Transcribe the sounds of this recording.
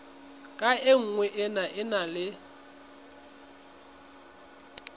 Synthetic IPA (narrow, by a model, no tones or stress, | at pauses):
kʼaeŋ̩ŋwɛʔɪnaʔɪnalɪ